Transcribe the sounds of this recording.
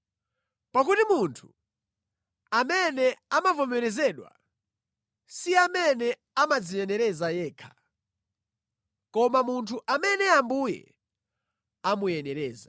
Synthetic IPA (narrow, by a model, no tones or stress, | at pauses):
pak̬utimuntʰu̥ | amɛnɛamavɔmɛɾɛzɛɗwa̰ | siamɛnɛ | amad͡zijɛnɛɾɛzajɛːkʰḁ | kɔmamuntʰuʔamɛnɛambujɛ̰ | amujɛnɛɾɛːza